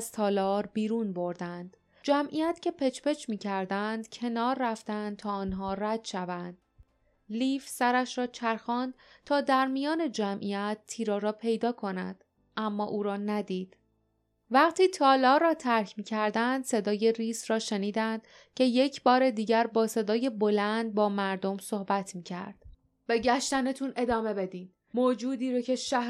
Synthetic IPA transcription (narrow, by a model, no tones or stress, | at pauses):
zt̪ʰɒːlɒːɾbiːɾuːnbo̞ɾd̪ænd̪̥ | d͡ʒæmʔijæt̪cʰe̞pʰe̞t͡ʃpe̞t͡ʃʰmiːcʰæɾd̪ænd̪̥cʰe̞nɒːɾːæft̪ænd̪̚t̪ʰɒːɒːnɦɒːræd̪̥ʃævænd̪̥̚ | liːfsæɾæʃɾɒːt͡ʃʰæɾxɒːnd̪̥t̪ʰɒːd̪æɾmijɒːne̞d͡ʒæmʔijæt̪ʰːiːɾɒːɾɒːpʰe̞jd̪ɒːkʰo̞næ̰nd̪̥ | ʔæmːɒːʔuːɾɒːnæd̪iːd̪̥ | væɢt̪ʰiːt̪ʰɒːlɒːɾɒːt̪ʰæɾcʰmiːcʰæɾd̪ænd̪se̞d̪ɒːje̞riːsrɒːʃe̞niːd̪ænd̪̥ | cʰe̞je̞cʰbɒːɾe̞d̪iːɟæɾbɒːse̞d̪ɒːje̞bo̞lænd̪̚bɒːmæɾd̪o̞mso̞hbæt̪ʰmiːcʰæ̰ɾd̪̥ | b̥e̞ɟæʃt̪ænet̪ʰune̞d̪ɒːme̞be̞d̪iːd̪̥̚ | moːd͡ʒuːd̪iːɾoːcʰe̞ʃæh